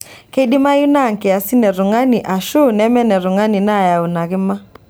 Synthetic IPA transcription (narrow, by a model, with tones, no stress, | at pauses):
ke˦ɗɪ˦ma˦ju˦na˦˨ŋ˨kɪ˨a˨sɪ˦nɛ˨ɾʊ˨ŋa˦ni˨ʔa˨ʃu˦nɛ˦mɛ˦nɛ˨ɾʊ˨ŋa˦ni˨na˦˨ja˨u˨na˨ɣɪ˦ma˦